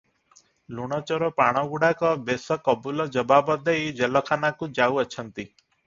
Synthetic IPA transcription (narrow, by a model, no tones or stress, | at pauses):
luɽ̃ɔt͡ʃɔɾɔpaɽ̃ɔɡuɽakɔbesɔkɔbulɔd͡ʒɔbabɔd̪ejd͡ʒelɔkʰanakud͡ʒawət͡ʃʰɔnt̪i